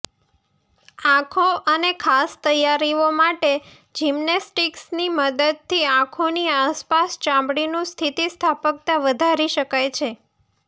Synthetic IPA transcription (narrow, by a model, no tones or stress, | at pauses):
ãkʰoʔənekʰast̪əjaɾiomaʈe | d͡ʒimnesʈiksniməd̪əd̪̚t̪ʰiãkʰoniaspast͡ʃãmbɽinũst̪ʰit̪ist̪ʰapək̚t̪aʋəd̪ʱaɾiʃəkajt͡ʃʰe